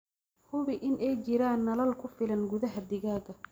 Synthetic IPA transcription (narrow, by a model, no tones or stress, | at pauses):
hʊβɪʔɪnʔɛjt͡ʃɪɾaːnːɐlɐlkʰʊfɪlɐnɡʊðɐɦɐd̪ɪɣaːɡɐ